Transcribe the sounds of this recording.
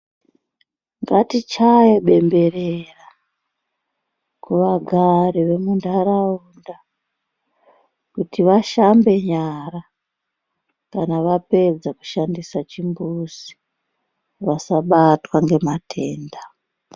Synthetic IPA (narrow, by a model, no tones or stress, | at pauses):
ŋɡatit͡ʃajoɓe̞mbe̞rera | kuʋaɡʱaɾiʋe̞mundaɾaunda | kutiʋaʃambe̞ɲara | kanaʋape̞d͡zaku̥ʃandisat͡ʃimbusi̥ | ʋasaɓatwaŋɡe̞matʰe̞ːnda